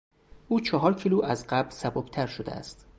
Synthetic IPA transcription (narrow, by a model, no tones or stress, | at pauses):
ʔuːt͡ʃʰɒɦɒːɾcʰiːluʔæzɢæblsæbobt̪ʰæɾʃod̪ḛæ̰st̪